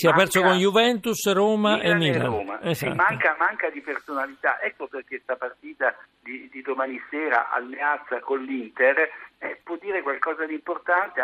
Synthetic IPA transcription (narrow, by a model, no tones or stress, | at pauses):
siapːɛrsokonjuvɛnt̪usɾoːmaʔemːiːla̰oma̰eza̰maŋkamaŋkad̪ipersonalit̪a̰ʔɛkːoperk̟est̪apart̪iːt̪ad̪id̪id̪omaːnisɛːɾa̰ʔa̰lmeat̪sːakonlint̪erɛpwɔd̪ːiːɾekwalkɔːzad̪import̪ant̪e